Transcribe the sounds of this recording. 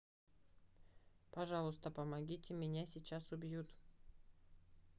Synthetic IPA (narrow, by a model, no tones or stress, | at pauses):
pɐʐɑlˠʊst̪əpəmɐɡʲitʲɪmʲɪnʲasʲɪt͡ɕasʊbʲjut̪